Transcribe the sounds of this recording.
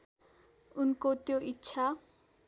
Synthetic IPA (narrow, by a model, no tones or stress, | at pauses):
ʊnkot̪joʔit͡ʃʰa